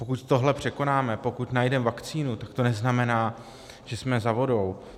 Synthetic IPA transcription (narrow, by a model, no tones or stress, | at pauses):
pokut̪t̪o̞ɦlɛpr̝̥ɛko̞naːmɛpo̞kut̪najdɛmvakt͡siːnut̪akt̪o̞nɛznamɛnaː | ʒ̥ɛsmɛzavo̞do̞w